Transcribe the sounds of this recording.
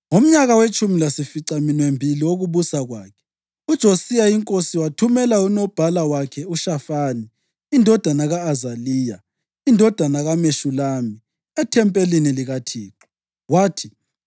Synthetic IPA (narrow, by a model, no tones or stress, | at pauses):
ŋom̩ɲaɣawet͡ʃʼumilasifiǀaminwembʱiliwoɣuβusaɣwaːkʰɛ̥ | ud̥ʒ̥ʱosijaiŋkʼosiwatʰumɛlaunɔb̥ʱalawakʰɛuʃafaːniː | ndʱɔd̥ʱanaɣaːzaliːja | indʱɔd̥ʱanaɣameʃulaːmi | ɛtʰɛmpʼeliniliɣatʰiːǁu̥ | waːtʰi